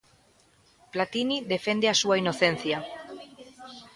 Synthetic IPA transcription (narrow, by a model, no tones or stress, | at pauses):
plat̪iniðefend̪easuainoθen̟θja